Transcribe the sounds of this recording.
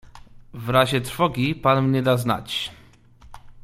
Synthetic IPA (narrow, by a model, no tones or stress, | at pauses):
vɾaʑɛt̪ɾfɔɡʲipanmɲɛd̪azna̰t͡ɕ